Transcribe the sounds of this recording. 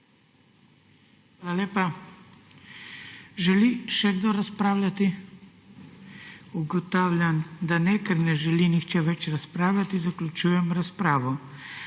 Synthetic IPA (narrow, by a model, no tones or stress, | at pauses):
xʋaːlalʲeːpa | ʒɛliʃɛɡd̪oɾaspɾaːwlʲat̪i | uɡɔt̪aːwlʲjand̪anɛkəɾnɛʒɛlinixt͡ʃɛʋɛt͡ʃɾaspɾaːwlʲat̪izaklʲut͡ʃujɛmɾaspɾaːʋɔ